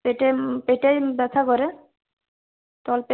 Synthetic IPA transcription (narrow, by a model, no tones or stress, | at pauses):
peʈepeʈejbɛt̪ʰakoɾe | t̪ɔlpe